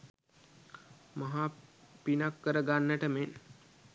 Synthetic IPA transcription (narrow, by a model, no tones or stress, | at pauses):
maɦapinakːəɾəɡanːəʈəmen